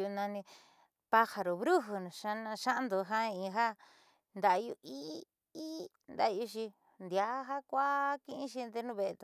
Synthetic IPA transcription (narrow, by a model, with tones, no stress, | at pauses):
u˧nã˧nĩ˧ | pa˦ha˧ɾo˨βɾu˦ɦu˧ñ˨ʃa˧ñ˧ʃa˦nd̪o˧ɦa˦ĩ˧ɦa˦ | nd̪a˨˧jṵ˧ʔi˦ | i˦nd̪a̰˧ju˧˦ʃ̬i˧ | nd̪ja˧˦ɦa˦kʷa˦kĩ˦˧ĩ˦ʃi˧nd̪e˧˦nũ˧βe˧e˧t̪